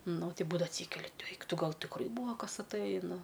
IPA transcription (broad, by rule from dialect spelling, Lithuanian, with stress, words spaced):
ˈnʊ ˈtʲɪ ˈbuːdɐʋɐ ɐtʲˈsʲiːkʲɛlʲɪ ˈɛɪk ˈtʊ ˈɡɐlˠ tʲɪkˈrɐɪ ˈbuːʋɐ ˈkɐs ɐtˈɘjɪ nʊ